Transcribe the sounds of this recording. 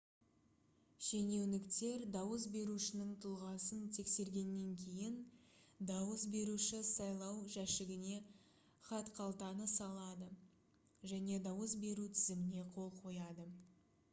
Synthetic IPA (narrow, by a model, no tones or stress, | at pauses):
ʃene̞wnɪkt̪e̞ɾd̪ɑwəs̬be̞ɾuʃɪnɪŋt̪ʰʊlˠʁɑsənt̪ʰe̞kse̞ɾɡʲe̞nːe̞ŋkʲʰe̞jɪnd̪ɑwəsbe̞ɾuʃɪsɑjlˠɑwʒæʃɪɡʲɪne̞ | χɑt̪qʰɑlˠt̪ɑnəsɑlˠɑd̪ə | ʒæne̞d̪ɑwəsbe̞ɾut̪ʰɪzɪmɪne̞qʰo̞lˠqʰo̞jɑd̪ə